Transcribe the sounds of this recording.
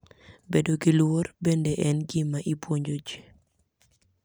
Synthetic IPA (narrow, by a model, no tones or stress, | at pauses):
bedoɡilworbendeʔɛnɡimaʔipwoɲd͡ʒod͡ʒe